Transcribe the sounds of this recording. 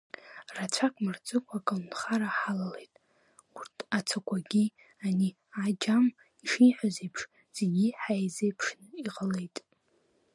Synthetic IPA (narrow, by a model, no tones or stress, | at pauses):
rat͡ʃʷʰakʷʼmɨrt͡sʼɨkʷʰakʼanχaɾaħalale̞jtʼ | urtʰat͡sʰakʷʰʼaɡʲi | ani | ad͡ʒam | iʂiħʷᶣazejpʰʂ | z̥eɡʲiħajzejpʰʂnɨiqʼəlejtʼ